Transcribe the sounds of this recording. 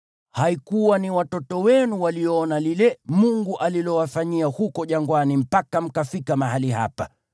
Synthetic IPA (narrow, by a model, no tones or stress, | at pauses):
haikuwaniwatɔtɔwɛnuwaliɔɔnalilɛmuŋɡuʔalilɔwafaɲiahukɔʄaŋɡwanim̩pakam̩kafikamaɦaliɦa̰pa